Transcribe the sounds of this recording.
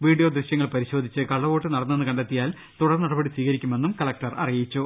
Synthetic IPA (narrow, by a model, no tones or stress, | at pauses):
ʋiːɖijo̞ːd̪rɨɕjɐŋːɐɭpɐɾiɕo̞ːd̪ʱit͡ɕːɨkɐɭːɐʋo̞ːʈːɨnɐɽɐnːe̞nːɨkɐɳɖet̪ːijaːl | t̪uɽɐrnɐɽɐbɐɽisʋiːɣɐɾikʲːume̞nːumkɐɭɐk̚ʈɐrɐ̰rijit͡ɕːu